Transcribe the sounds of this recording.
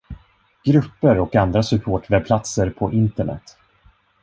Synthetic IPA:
ɡ̥ɾɵpːəɾɔkand̪ɾasɵpʰoːʈvɛb̚pʰlat̪səɾpʰɔʔɪnt̪əɳɛ̰t̪

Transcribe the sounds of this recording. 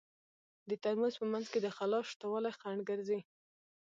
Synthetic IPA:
d̪ət̪aɾmanzpəmanzked̪əxalɑʃt̪awɑlajxaɳɖɡəɾzi

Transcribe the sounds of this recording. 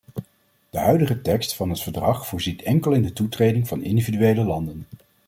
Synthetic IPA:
d̥əɦœɥdəχətɛkstfɑnɦətfəɹdrɑχfʊːɹzitʰɛŋkəlˠɪndətutrejdɪŋvɑnɪ̰ndividyʋejləlɑndən

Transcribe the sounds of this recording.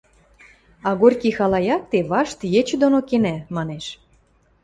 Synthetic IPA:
ɑɣorʲkixɑlɑjɑk̚t̪eβɑʃt̪jet͡ɕd̪onokenæmɑneʃ

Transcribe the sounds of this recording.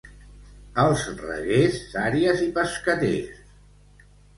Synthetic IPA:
əlˠzrə̰ɣesːaɾiəzipəskət̪ḛs

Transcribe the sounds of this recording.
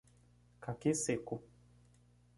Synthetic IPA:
kakiseku

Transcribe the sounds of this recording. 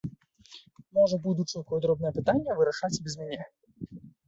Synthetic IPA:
moʐəbud̪ʊt͡ʂɨkɔjʊd̪ɾɔb̚nəjəpɨt̪anʲːɪjəvɨɾɐʂat͡sʲbʲɪzmʲɪnʲa

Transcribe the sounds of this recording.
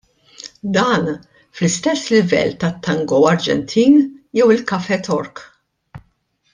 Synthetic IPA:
d̪ɐːn | flɪst̪ɛsːlɪvɛ̰lːt̪ɐt̪ːɐŋɡɔwɐɾd͡ʒɛ̰nt̪ʰiːnjɛwɪlkɐfɛt̪ʰɔɾk

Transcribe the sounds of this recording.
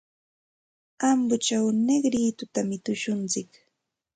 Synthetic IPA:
ambʊt͡ʃawneɢɾiːt̪ʊt̪amɪt̪ʊʃʊnt͡sɪk

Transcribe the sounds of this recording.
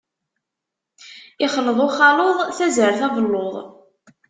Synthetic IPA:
ɪχələðˤoχɑloðˤθæzəɾθævəlːoðˤ

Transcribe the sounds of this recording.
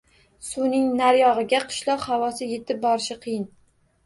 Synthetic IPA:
sunɪŋnaɾjɒʁɨɡʲaqʰɨ̥ʃlˠɒqhavɒsɪje̞t̪ʰɪp̚bɒɾɪʃɪqʰɨjɪn

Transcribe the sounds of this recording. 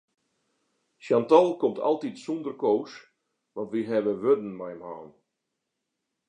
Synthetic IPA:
sjantɑlˠkɔmtʰɑ̰lˠtitsundərkoːs | ʋɑntʋiɦɛʋəʋødən̩majmha̰ːn

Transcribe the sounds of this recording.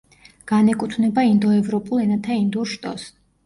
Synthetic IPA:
ɡ̥anɛkʼut̪ʰvnɛbaind̪ɔɛvɾɔpʼulˠɛnat̪ʰaind̪ɔʃt̪ʼɔs

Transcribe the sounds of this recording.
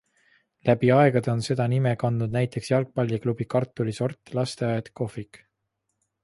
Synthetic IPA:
læbiɑe̞ɡ̥ɑd̪̥eo̞nse̞d̪ɑnimekɑnd̪nud̪̥̚næjt̪ːˑe̞ksjɑlɡ̚pɑlʲːiklub̥ikɑrt̪ːˑuliso̞rt̪ːˑlɑst̪e̞ɑjet̪ko̞fik

